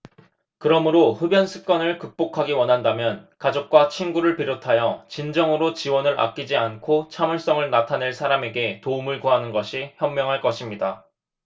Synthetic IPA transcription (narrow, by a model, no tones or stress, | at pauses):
kɯɾʌmɯɾoɸɯbjʌnsʰɯ̥k͈ʌnɯɭkɯk̚p͈okʰaɡiwʌnɦandamjʌnkad͡ʑok̚k͈wat͡ɕʰinɡuɾɯɭpiɾotʰajʌt͡ɕind͡ʑʌŋɯɾot͡ɕiwʌnɯɾʔa̰k̚k͈id͡ʑiankʰot͡ɕʰamɯɭs͈ʌŋɯɭnatʰane̞ɭsʰaɾame̞ɡe̞toumɯɭkuɦanɯnɡʌɕʰiçjʌmmjʌŋɦaɭk͈ʌɕʰimɲida